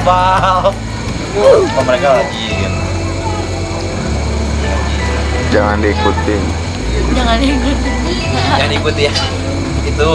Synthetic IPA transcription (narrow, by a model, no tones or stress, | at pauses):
pa | kaməɾekalaɡiia | ai | d͡ʒaŋandekut̪ɪŋ | d͡ʒaŋandekut̪ɪŋ | aŋanikut̪ja | it̪u